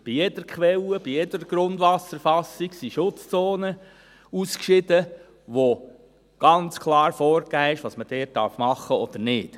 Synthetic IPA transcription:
b̥ijɛd̥̪əɾkχʋɛləb̥ijɛd̥̪əɾəɡ̥ɾʊndʋɑsəɾfɑsːiksiʃʊt͡st͡soːnə | uskʃɪd̥ə | ʋo | ɡ̥ɑnt͡skʰlˠɑːɾfɔːɾkæːɛʃʋɑsməd̥ɛːt̚d̥ɑɾfmɑχːəɔd̥̪əɾnɪːt

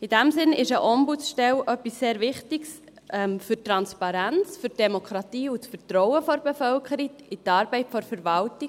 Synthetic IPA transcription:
id̥æmsɪnɪʃəʔɔmbut͡sʃtɛlʔœpːisːeːɾʋɪχtɪɡs | ɛmfyɾtɾɑnspɑɾænt͡sfyɾd̥ɛmokʰɾɑtiːut͡sfəɾtɾɔʊəfɔɾb̥efœlkʰəɾiɪtɑːɾbɛɪtfɔɾfəɾʋɑlti

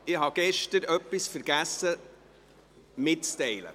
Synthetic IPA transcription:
ɪɦɑɡ̥ɛʃtəɾœpːisfəɾɡ̥æsːə | mɪtt͡stɛɪlə̰

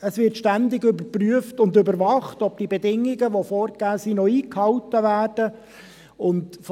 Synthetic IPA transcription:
əsʋɪrtʃtændɪɡʏbəɾpryəftʊndɵbəɾvɑχtɔb̚d̥ibɛdɪŋːɪɡəʋofɔːɾɡ̥æːsiːnɔiːkhɑwtəʋæːrd̥ə | ʊntf

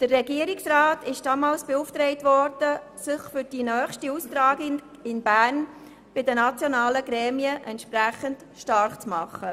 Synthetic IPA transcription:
d̥ərːɛɡiəɾɪksrɑːtɪʃd̥ɑmɑːlsb̥ɛuftɾɛɪtʋɔɾd̥ə | sɪχfʏɾd̥inœːχʃtiustɾɑːɡɪ | ɪnbæːrn | b̥ɪdənɑt͡sjɔnɑːləɡɾɛːmiəʔɛntʃpræχənt | ʃtɑɾχt͡smɑχːə

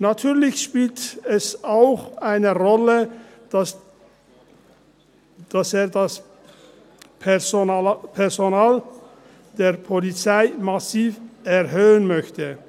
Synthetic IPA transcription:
natʰyːɐlɪçʃpiːltɛsaʊxʔaɪnəʁɔlə̥ | d̥aseːɐdas | pʰ | pʰɛʁzonaːl | d̥eːɐpʰolit͡saɪmasiːfɛʁɦøːənmœçtə

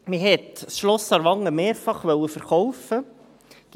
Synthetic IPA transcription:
miɦɛt̪sʃlɔsɑɾʋɑŋəmeːɾfɑχʋœwəfəɾχɔwfə | ɡ̥

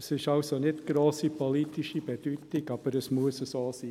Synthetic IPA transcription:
sɪʃɑʊsonɪtɡ̥ɾoːsipʰoliːtɪʃib̥ed̥yːtɪɡɑb̥əɾəsmuəsəsoːsiː

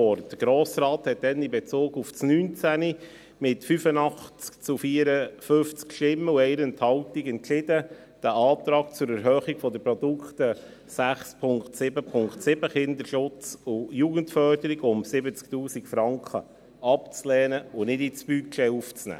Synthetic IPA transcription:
ɔrtd̥əɡ̥ɾoːsɾɑːt̪hɛt̚dɛnɪbɛt͡soːɡufsnyːnt͡sæni | mɪtfyfənɑχt͡skt͡sufiəɾəfʏft͡skʃtɪmːəuɛɪɾənt̪hɑwtiɡɛntt͡ʃɪd̥ə | d̥æʔɑːt̪ɾɑːk̚t͡sʊɾɛɾɦœːχiɡ̥fɔd̪əpɾɔd̪ukχt̪ə | sæχspʰʊŋktsɪbəpʰʊŋktsɪbəχɪnd̪əɾʃʊt͡sʊjuːɡəntfœrdəɾiɡʊmsɪbət͡sk̚tuːsikfɾɑŋkχə | ɑpt͡slɛːnəʊnɪdit͡sb̥ykt͡ʃɛːuft͡snæ̰ː

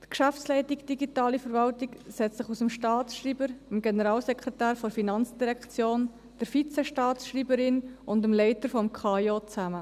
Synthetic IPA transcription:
t̪kʃæfslɛɪtiɡd̥iɡitɑːlifəɾvɑltiksɛt͡st͡sɪχusəmʃtɑːsʃriːbəɾəmɡenəɾɑːlsɛkʰʁ̥ɛtæːɾfɔɾfinɑnt͡sd̥iɾɛkt͡sjoːn | d̥əɾfit͡sɛʃtɑːtsʃriːbəɾɪnʊndəmlɛɪtəɾfɔmkʰχɑjot͡sæmə

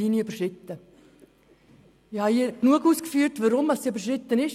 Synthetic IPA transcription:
iniybəʃɪt̪ːə | ɪhɑiːəknuəkuːskfyətʋəɾʊmɑssiybəɾʃɾɪt̪ːənɪʃ

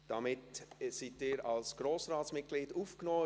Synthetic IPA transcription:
d̥ɑmɪtsitɪːɾɑlsɡ̥ɾoːsɾaːsmɪt̚ɡ̥liːduːfknɔː

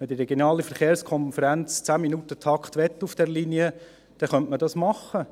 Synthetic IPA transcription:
mɛd̥iɾɛɡjonɑːlifəɾχeːɾskʰɔnfəɾænt͡st͡sæːminut̪ət̪ʰɑkχt̪ʋɛt̪ːufd̥ɛɾliniə | d̥ɛχœntmədɑsmɑχːə

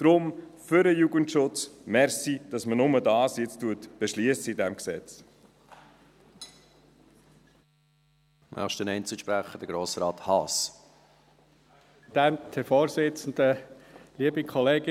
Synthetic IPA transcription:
d̥ɾʊmfʏɾəjuɡəntʃʊt͡smɛɾsid̥ɑsmənʊmədɑːsjɪt͡stuətb̥eʃliəsəidɛmksɛ̰t͡s | mʔɑ̰ʃtənɛɪnt͡sɪʃpɾæχəd̥əɾɡ̥ɾoːsɾɑːthɑːs | d̥̪æmt̪ʰɛfoːɾsɪt͡sən̩d̥̪əliəbikʰɔleːɡɪ

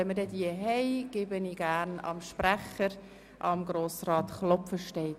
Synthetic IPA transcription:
ɛnmədɛdiəɦɛɪɡ̥ɪbəniɡ̥æːɾnɑ̰mʃpɾæχəɾ | ʔɑmɡɾoːsrɑːt̪χlɔpfəʃtɛɪ

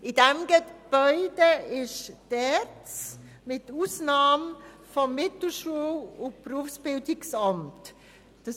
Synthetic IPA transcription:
ʔɪdɛmɡ̥əb̥ɔʏdəɪʃd̥ɛɾt͡s | mɪtuːsnɑːm | fɔmːɪtl̩ʃuːʊnb̥ruːfsb̥ɪldɪksɑmt | d̥ɑ

